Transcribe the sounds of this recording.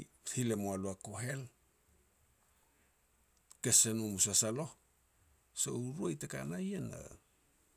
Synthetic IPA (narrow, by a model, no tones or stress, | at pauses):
hile̞moaluakoɦe̞l | ke̞senumusasalo̞h | so̰uɾuajteka̰najena̰